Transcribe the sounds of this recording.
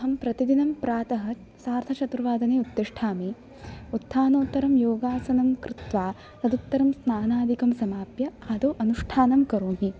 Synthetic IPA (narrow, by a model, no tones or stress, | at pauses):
ɐɦɐmpɾɐt̪id̪inɐmpɾaːt̪ɐɦɐ̆ | saːɾt̪ʰɐt͡ʃɐt̪ɾɐʋaːd̪ɐneːut̪ːeʂʈʰaːmi | ut̪ʰːaːnoːt̪ːɐɾɐmjoːɡaːsɐnɐmkɾɪt̪ʋaː | t̪ɐd̪ut̪ːɐɾɐmsnaːnaːd̪ʱikɐmsɐmaːpjɐaːd̪oːʔɐnuʂʈʰaːnɐmkɐɾoːmɦi